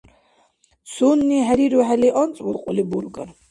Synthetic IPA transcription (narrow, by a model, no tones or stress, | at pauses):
sunːiɦɛɾiɾuɦɛliʔɔnt͡sʼvuɾqʼulibuɾɡaɾ